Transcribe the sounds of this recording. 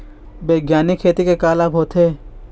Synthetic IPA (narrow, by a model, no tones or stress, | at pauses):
beːɡjaːnɪkʰːeːt̪ikekaːlaːbʱɦoːt̪ɦeː